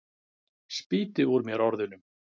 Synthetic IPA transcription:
spiːt̪ɪɔɾmjɛɾɔɾðʏnʏm

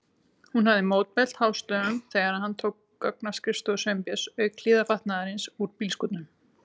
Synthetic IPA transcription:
hunhavðɪmoːwt̪̚mɛl̥t̪haːwst̪œːʏmθɛːɣaɾaðhant̪ʰowkːœknḁskɾɪst̪ɔsœmpjɛsœːɥklɪːðafaht̪naðaɾɪnsuɾpiːlskɔt̪nʏm

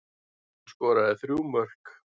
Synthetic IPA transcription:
skɔːɾaðɪθɾjuːwmœr̥k

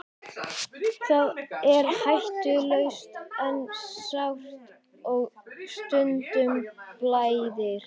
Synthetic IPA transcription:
θaðɛɾhajht̪ʏlœɥst̪ɛnsawft̪ | ɔɣst̪ʏnt̪ʏmplaːjðɪɾ̥

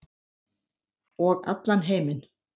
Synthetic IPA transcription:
ɔɣa̰t̪lanɦeːjmɪn

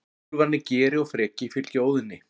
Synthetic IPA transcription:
vanːɪcɛːɾɪaɣfɾɛːcɪfɪɾɪlcoːwðɪnːɪ

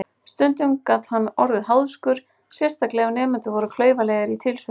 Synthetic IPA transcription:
st̪ʏnt̪ʏŋkaːt̪hanːɔɾðɪɦawðskʏɾ̥ | sjɛrst̪ʰaklɛɣanɛːmɪnt̪ʏvɔɾʏkʰlœːɥvalɛjɣaɾit̪ʰɪlsʏ

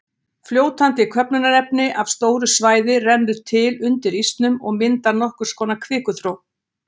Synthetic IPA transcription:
fljoːwt̪ʰant̪ɪkʰœpnʏnaɾɛpnɪʔavst̪oːwɾʏsvaːjðɪrɛnːʏt̪ʰɪlʏnt̪ɪɾist̪nʏmɔɣmɪnt̪anɔhkʏɾ̥skɔːnakʰvɪːkʏθɾow

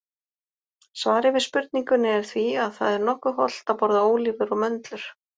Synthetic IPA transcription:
svaːɾɪvɪðspʏɾt̪̚niŋkʏnɪɛɾ̥θviaðθa̰ðɛɾnɔhkʏɦɔ̰l̥t̪apɔɾðaoːwliːvʏɾɔɣmœnt̪lʏɾ̥

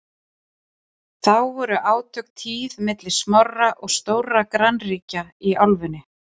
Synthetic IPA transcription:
θawvɔɾʏʔaːwt̪ʰœk̚t̪ʰiːðmɪt̪lɪ̥smɔrːaʔɔɣst̪oːwɾakɾanriːcaiawlvʏnːɪ

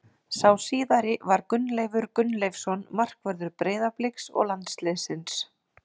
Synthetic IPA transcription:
sawsiːðaɾɪvaɾkʏnːlejvʏɾkʏnlejfsɔnmar̥kvœɾðʏɾpɾeːðaplɪksɔ̰ɣlant̪sleːsɪns

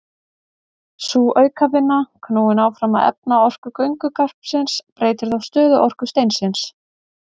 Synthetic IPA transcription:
suːʔœːɥkavɪnːakʰnoːwɪnaːwfɾamaðɛ̰p̚naɔr̥kʏkœɥŋkʏkar̥psɪnspɾeːjt̪ɪɾ̥θawst̪œːðʏʔɔr̥kʏst̪ejnsɪns

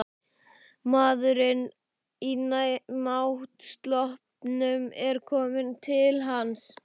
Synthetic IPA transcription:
maːðʏɾɪn | inanawht̪st̪lɔhpnʏmɛɾ̥kʰɔːmɪnt̪ʰɪlɦans

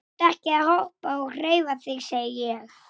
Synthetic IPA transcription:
t̪ahcɪahowhpaɔɣr̥eːjvaθɪɣseːjɪjɛɣ

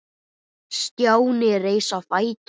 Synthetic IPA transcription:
st̪jaːwnɪreːjsawfaːjt̪

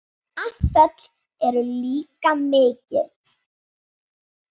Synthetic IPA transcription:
aθɛt̪l̥ | ɛɾʏliːkameːcɪ̰ɾt

